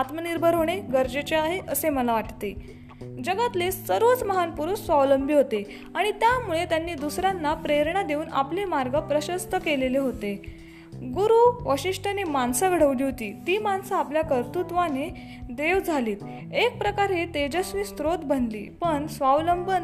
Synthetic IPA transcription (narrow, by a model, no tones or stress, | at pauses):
at̪məniɾbʱəɾɦoɽ̃eɡəɾd͡ʑet͡ɕeaɦeʔəseməlaʋaʈt̪e | d͡ʑəɡat̪lesəɾʋət͡sməɦanpuɾusʋaʋləmbʱiːɦot̪e | aɽ̃it̪jamuɭet̪janːiːd̪usɾjanːapɾeɾɳad̪euːna̰plemaɾɡəpɾəɕəst̪əkeleleɦot̪e | ɡuɾuʋəɕiʂʈʰənemansəɡʱəɽ̤əʋliːɦot̪iːt̪iːmansəapljakəɾt̪ut̪ʋane | d̪eʋd͡zʱaliːt̪ | ek̚pɾəkaɾɦet̪ed͡ʑasʋiːst̪ɾot̪bʱənlḭːpəɳsʋaʋləmbən